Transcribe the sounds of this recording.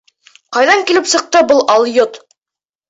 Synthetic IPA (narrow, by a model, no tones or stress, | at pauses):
qɑjðɑŋkilɘpsɤ̆q̚t̪ɤbɤlˠɑlˠjot̪